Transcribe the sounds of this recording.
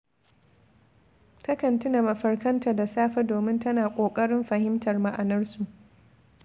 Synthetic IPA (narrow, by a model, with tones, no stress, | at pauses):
tɐ˦kɐ˨ntʊ˦na˨mɐ˨ɸɐ˨rkɐ˦nta˨da˨saː˦ɸa˦doː˨mɪ˦ntɐ˦naː˨kʷʼoː˨kʼɐ˦ɽɪ˦mɸɐ˨hɪ˦mtɐ˨rma˦ʔa˨nɐ˦rsu˨ʔ